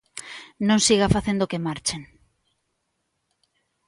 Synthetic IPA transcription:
nõŋsiɣafaθend̪okemaɾt͡ʃen

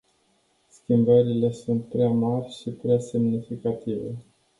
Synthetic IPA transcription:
skʲimbəɾile̞sunt̪̚pɾeamarʲʃipɾease̞mnifikat̪ive̞̰

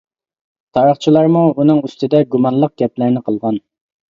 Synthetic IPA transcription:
t̪ʰɑɾəχt͡ʃʰilˠɑɾmuunɨŋyst̪ɪd̪ɛɡumɑnlˠəq̚ɡʲɛplæɾnɪqʰəlˠʁɑn

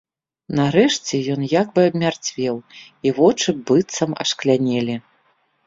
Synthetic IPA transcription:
naɾɛʂt͡sʲɛjɔnjakbɨɐbmʲart͡sʲvʲɛw | ivɔt͡ʂɨbɨt̪sɐmɐ̰ʂklʲanʲɛlʲi

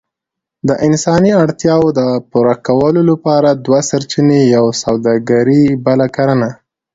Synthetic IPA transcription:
d̪əʔɪnsɑniaɽt̪jɑwd̪əpuɾakawəlolapɑɾad̪wasaɾt͡ʃinejawsawd̪ɑɡaɾibalakaɾəna

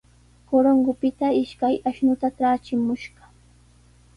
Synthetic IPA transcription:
koɾoŋɡʊpɪt̪aɪʃkajaʃnʊt̪aʈ͡ʂaːt͡ʃɪmʊʃɢɑ

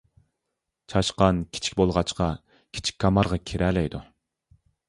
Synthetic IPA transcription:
t͡ʃʰɑʃqɑnkʲʰi̥t͡ʃʰi̥kʲbolˠʁɑt͡ʃqɑ | kʲʰi̥t͡ʃʰi̥k̚ʲkʰːɑmɑɾʁɑkʲʰeɾʔɛlɛjd̪u

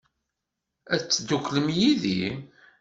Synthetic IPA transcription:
æt͡sːd̪ukʷːləmjiðḭ

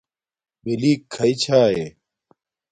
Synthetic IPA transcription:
beliːkʰːɐit͡ɕʰaːje

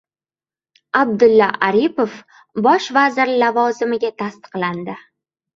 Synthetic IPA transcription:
ab̚d̪ʊlːaʔaɾipof | bɒʃvazɪɾlavɒzɪmɪɡʲat̪ʰast̪ɨ̥qland̪ɪ

